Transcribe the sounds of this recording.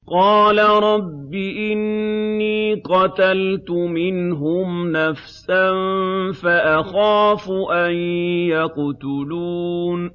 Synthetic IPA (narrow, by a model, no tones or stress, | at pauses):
qɑːlaɾˤɑbːiʔɪnːiːqɑt̪alt̪ʊmɪnɦʊmnafsanfaʔaxaːfʊʔajjaqt̪ʊluːn